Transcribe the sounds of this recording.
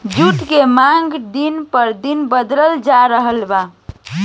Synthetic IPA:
d͡ʒuʈkemaŋɡd̪inpəɾd̪inbəd̪ɾəld͡ʒaɾəɦəlba

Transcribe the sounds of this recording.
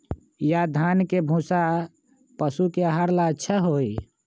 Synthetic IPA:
jad̪ʱaːnkebʱũːsa | pəsukeaɦaɾlaətːʃʰaɦoːi

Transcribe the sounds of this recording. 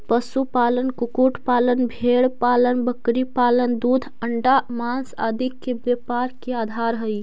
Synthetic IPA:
pəsupalənkukuʈpalənbʱeɽpalənbəkɾipalənd̪ud̪ʱəɳɖamansa̰d̪ʱikːebepaɾkead̪ʱaɾɦəj

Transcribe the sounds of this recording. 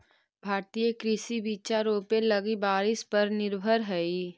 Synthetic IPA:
bʱaːɾt̪ijekɾɪsibiːt͡ʃaɾoːpelɐɡibaːɾɪspɐɾnɪɾbʱəɾɦɛi

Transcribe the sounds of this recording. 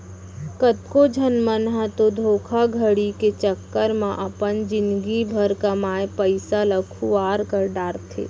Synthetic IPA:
kət̪kod͡ʒʱənmənɦɛ̃t̪od̪ʱoːkʰaɡʱəɽiket͡ʃəkːəɾmãʔɐpənd͡ʒɪ̃nɡibʱəɾkamaːjpəɪsaləkʰuaːɾkəɾɖaːɾt̪ʰḛː

